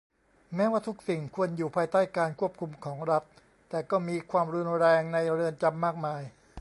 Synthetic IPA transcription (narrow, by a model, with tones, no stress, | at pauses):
mɛː˦˥waː˥˩t̪ʰu˦˥k̚si˨˩ŋkʰu˧ənjuː˨˩pʰaː˧jt̪aː˥˩jkaː˧nkʰu˥˩əp̚kʰu˧mkʰɔː˩˦ŋɾa˦˥t̪̚ː | ɛː˨˩kɔː˥˩miː˧kʰwaː˧mɾu˧nɾɛː˧ŋna˧jɾɯ˧ənt͡ɕa˧mːaː˥˩k̚maː˧j